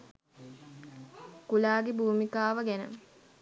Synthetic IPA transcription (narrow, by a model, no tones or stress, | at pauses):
kulaːɡebʱuːmikaːʋəɡænə̰